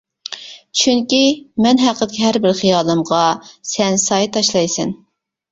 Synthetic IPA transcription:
t͡ʃʰyŋkʲimɛnɦæqəd̪kʲʰiɦæɾbɪɾχijɑːlˠɨmʁɑsɛnsɑjt̪ɑʃlˠɑjsɛn

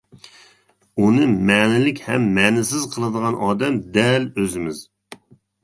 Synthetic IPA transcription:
unɨmɛnɪlɪkʲhɛmːɛnɪsɪzqʰəlˠɨd̪əʁɑnʔɑːd̪ɛmd̪ɛløzɪmɪz̥

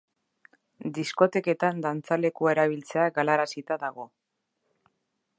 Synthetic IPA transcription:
d̪isko̞t̪e̞ke̞t̪and̪ant͡sale̞kue̞ɾaβ̞ilt͡se̞aɡalaɾasit̪aðaɣ̞o̞

